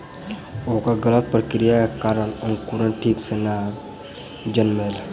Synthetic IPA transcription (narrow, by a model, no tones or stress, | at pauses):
oːkəɾɡələt̪̚pəɾkɾijakkaːɾənənkuɾənʈʰiːksena | d͡ʒənmel